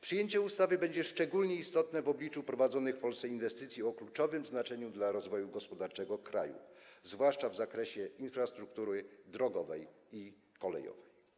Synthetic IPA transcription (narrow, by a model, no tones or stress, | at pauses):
pʂɘjeɲt͡ɕɛust̪avɘbɛɲd͡ʑɛʂt͡ʂɛɡulɲɛist̪ɔt̪nɛvɔblʲit͡ʂupɾɔvad̪zɔnɘxfpɔlsɛinvɛst̪ɘt̪sʲjiɔklut͡ʂɔvɘmznat͡ʂɛɲud̪laɾɔzvɔjuɡɔspɔd̪aɾt͡ʂɛɡɔkɾa̰jṵzvwaʂt͡ʂavzakɾɛɕɛinfɾast̪ɾukt̪uɾɘd̪ɾɔɡɔvɛj | i | kɔlɛ̰jɔ̰vɛj